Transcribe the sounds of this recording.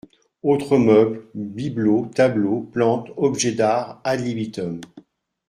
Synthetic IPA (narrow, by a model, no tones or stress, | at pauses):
ot̪χəmœblbiblot̪abloplɑ̃t̪ɔbʒɛd̪aʁalibit̪ɔm